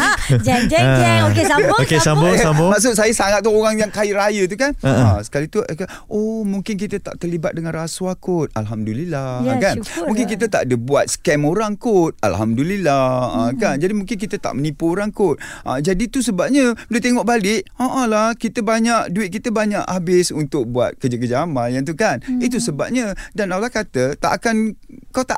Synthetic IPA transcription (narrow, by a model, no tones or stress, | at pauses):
oeokesambosabmaʔs̬ʊt̪sajəsaŋat̪̚ːuoɾaŋjaŋkaiʔɾajət̪̬ukanasə̥kalit̪uaka | ʔomuŋkɪnk̬it̪ət̪a̰ʔt̪ərlibat̪̚dəŋãnraswakʊt̪̚alɦamdulilakanmũŋkɪnkit̪̬ət̪a̰ʔdəbuat̪̚sə̥kɛmoɾaŋkʊt̪̚a̰lɦamdulilaakand͡ʒadimũŋkɪnk̬it̪ət̪a̰ʔmənipuoɾaŋkʊt̪̚ʔa̰d͡ʒadit̪us̬əbap̚ɲəpələt̪̬eŋɔʔbalɪʔaʔãlakit̪əbaɲaʔduɪt̪̚kit̪əbaɲaʔabɪsunt̪ʊk̚buat̪̚kəd͡ʒak̬əd͡ʒaːmanjant̪̬ukanit̪usəba̰p̚ɲə̃danawlakat̪ət̪a̰ʔakankawt̪a